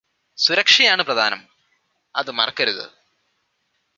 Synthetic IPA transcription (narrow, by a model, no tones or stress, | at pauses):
suɾɐkʂɐjaːɳɨprɐd̪ʱa̰ːnɐm | ɐ̰ðɨmɐrɐkːɐɾuðɨ̰